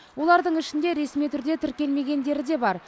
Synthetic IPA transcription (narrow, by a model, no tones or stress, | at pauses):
wo̞lˠɑɾd̪əɴɪʃɪnd̪e̞ɾe̞smijt̪ʰʏɾd̪e̞t̪ʰɪʏɾkʲe̞lme̞ɡʲe̞nd̪e̞ɾɪd̪e̞bɑɾ